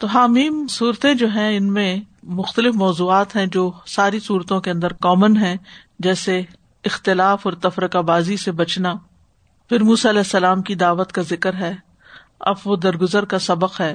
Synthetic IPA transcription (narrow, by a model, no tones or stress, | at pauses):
t̪oɦaːmiːmsuːɾt̪ẽd͡ʒoːɦɛ̃ɪnmẽmʊxt̪əlɪfmɔːzuːaːt̪ɦɛ̃d͡ʒoːsaːɾisuːɾt̪õkeɐ̃nd̪əɾkɔːmənɦɛ̃ | d͡ʒɛːse | ɪxt̪ɪlaːfɔːɾt̪ɐfɾəkabaːzisebɐt͡ʃna | fʰɪɾmuːsaɐlɛːsːɐlaːmkid̪aːʋət̪kazɪkəɾɦɛː | ɐ̰bʋod̪ɐɾɡʊzəɾkasɐbəqɦɛː